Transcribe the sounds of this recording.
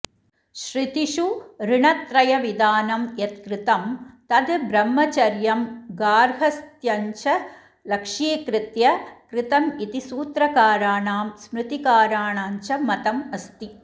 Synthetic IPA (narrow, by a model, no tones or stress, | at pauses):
ʃɾɪt̪iʂuɾɪɳɐt̪ɾɐjɐʋid̪aːnɐmjet̪̚kɾɪt̪ɐmt̪ɐd̪ɨbɾɐmːɐt͡ʃɐɾjɐmɡaːɾɦɐst̪jɐɲt͡ʃɐ | lɐkʂiekɾɪt̪jɐkɾɪt̪ɐmit̪isuːt̪ɾɐkaːɾaːnaːmsmɾɨt̪ikaːɾaːnaːɲt͡ʃɐmɐt̪ɐmɐst̪i